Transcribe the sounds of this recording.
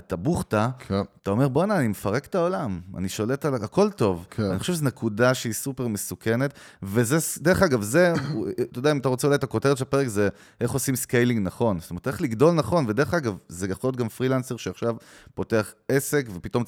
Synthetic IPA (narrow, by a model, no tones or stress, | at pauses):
t̪abuχtakt̪ao̞meʁbonaːnimefaʁektao̞lama̰niʃo̞le̞talaako̞lto̞va̰niχoʃeʃzenekudaʃeisupeʁme̞suke̞ne̞t̪vezed̪e̞e̞χaɡavze̞t̪odaimataʁot͡seulajt̪ako̞teʁetʃelape̞ʁekze | eχo̞simskejliŋɡnaχo̞nstomet̪ːeχliɡdo̞lnaχo̞nved̪e̞eχaɡavzeɡaχot̪̚ɡamfʁilanseʁʃeaχʃavpo̞te̞aχe̞se̞kve̞pit̪o̞m